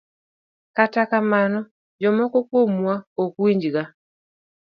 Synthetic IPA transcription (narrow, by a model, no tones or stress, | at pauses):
katakamanɔ | d͡ʒɔmɔkɔkwomwaokwiɲd͡ʒɡa